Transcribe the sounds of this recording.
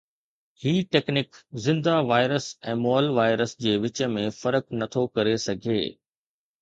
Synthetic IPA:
hiːʈeːknɪkzɪ̃nd̪aʋaːɪɾəsɛ̃ːmoːəlʋaːɪɾəsd͡ʑeːʋɪt͡ɕəmẽfɐɾəknɐt̪ʰokɐɾesɐɡʱḛː

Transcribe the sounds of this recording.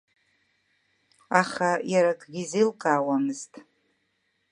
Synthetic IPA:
aχajaɾakʰʼɡʲizilqʼaːwamɨztʼ

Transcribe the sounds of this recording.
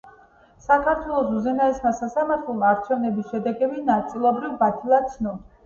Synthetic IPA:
sakʰaɾt̪ʰwɛlˠɔsuzɛnaismasasamaɾt̪ʰlɔlˠmaːɾt͡ʃʰɛvnɛbisʃɛd̪ɛɡɛbinat̪sʼilˠɔbɾivbat̪ʰilˠat̪sʰnɔ

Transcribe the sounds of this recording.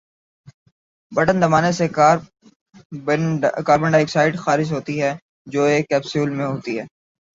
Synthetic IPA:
bɐʈənzɐmaːnesekː | bɖkaːɾbə̃ɳɖeːksaːɪɖxaːɾɪd͡ʒɦoːt̪iɦɛː | d͡ʒoːeːkːɛːpsjuːlmẽɦoːt̪iɦɛː

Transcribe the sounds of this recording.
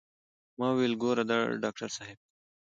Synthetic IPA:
mãːwelɡoːɾɐd̪a̰ɖaːk̚ʈɐɾsaːɦɪb̚

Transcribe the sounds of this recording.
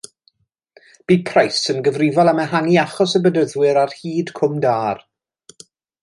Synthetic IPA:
b̥iːpʰrajsənɡəvrɪvɔlˠamɛɦaŋiaχɔsəbədəðwɪɾarhiːd̥kʰʊmdaːr

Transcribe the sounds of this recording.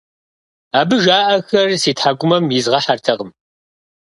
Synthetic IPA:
aːbɨʒaːʔɐxɐrsiːtħaɡʷʼʊmɐmjɪzʁɐħartʰɐqəm

